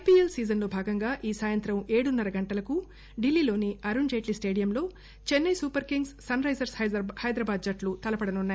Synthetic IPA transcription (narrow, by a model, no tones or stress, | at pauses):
epielsiːd͡ʒɐnlo̞ːbʱaːɡɐŋɡaːʔiːsaːjɐnt̪ɾɐmeːɽunːɐɾɐɡɐɳʈɐlɐku | ɖilːiːlo̞ːniɐɾund͡ʒeːʈlisʈe̞ːɽijɐmlo̞ː | t͡ʃenːɐjsuːpɐɾkiŋɡssɐnɾɐjzɐɾshɐjhɐjd̪ɾɐbaːd̪̚d͡ʒɐʈlut̪ɐlɐpɐɽɐnunːaːj